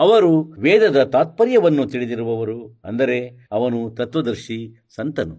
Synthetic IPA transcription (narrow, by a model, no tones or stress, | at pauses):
ɐʋɐɾuʋɛːd̪ɐd̪ɐt̪aːt̪̚pɐɾjɐʋɐnːut̪iɽid̪iɾuʋɐʋɐɾuɐ̰nd̪ɐɾe̞ | ɐʋɐnut̪ɐt̪ʋɐd̪ɐɾʃi | sɐnt̪ɐnu